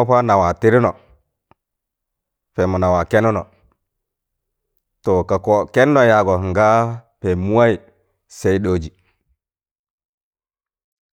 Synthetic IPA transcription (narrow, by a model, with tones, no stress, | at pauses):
pa˦na˨wa˨ti˦ɾi˦nɔ˨ | fe˨mu˨na˨wa˨ke˦nu˦no˨ | to˨ka˨ko˦ke˦n˦no˨ja˨ɡo˨ŋɡa˦pe˨mu˦a˦i˨ | se˦i˦ɗo˦˨d͡ʒi˨